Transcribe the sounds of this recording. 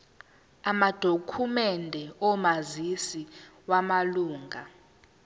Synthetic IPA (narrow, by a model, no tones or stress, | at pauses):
amad̥ʱokʰumɛndʱɛɔmazisiwamaluːŋɡʱa